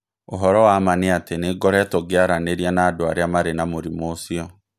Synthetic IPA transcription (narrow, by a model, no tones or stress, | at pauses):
oɦɔɾɔwamaneateneɡɔɾɛtoɡeaɾaneɾianaːdoaɾeamaɾenamoɾimoːsiɔ